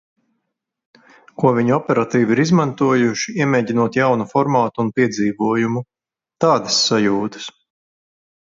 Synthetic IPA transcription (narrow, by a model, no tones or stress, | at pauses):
kuɔviɲuɔpʲɛɾat̪iːviɾizmant̪uɔjuʃiiɛmʲeːɟinuɔt̪jawnufɔɾmaːt̪uːnpiɛd̪ziːvuɔjumu | t̪aːd̪ɐsːajuːt̪ɐ̥s